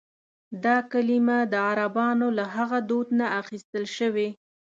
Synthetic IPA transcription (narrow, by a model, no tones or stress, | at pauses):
d̪ɑkalimad̪əaɾabɑnolaɦaɣad̪od̪naaxist̪əlʃəwe